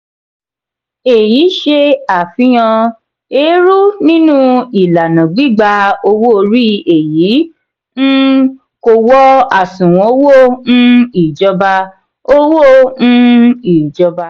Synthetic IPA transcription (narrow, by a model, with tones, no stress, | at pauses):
e˨ji˨˦ʃe˧a˨fĩ˨˦j̃ã˧ | e˨˦ɾu˦nĩ˦nũ˦i˨la˨nã˨ɡ͡bi˦˨ɡ͡ba˧o˧wo˦o˧ɾi˦˨e˨ji˨˦ | n̩˦ | ko˧wɔ˦a˨sũ˨w̃ɔ̃˨˦wo˦˨ñ̩˦i˨d͡ʒɔ˧ba˧ | o˦wo˦˨ñ̩˦i˨d͡ʒɔ˧ba˧